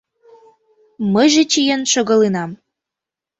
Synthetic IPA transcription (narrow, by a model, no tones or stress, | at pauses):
məjʒĕt͡ɕijenʃɤ̆ɣɤ̆linɑm